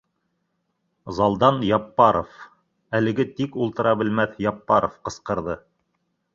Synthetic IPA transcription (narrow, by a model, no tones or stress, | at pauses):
zɑlˠd̪ɑnjɑpːɑɾof | ælɘ̆ɡɘt̪ikulˠt̪ɤ̆ɾɑbɘ̆lmæθjɑpːɑɾofqɤ̆sqɤ̆ɾðɤ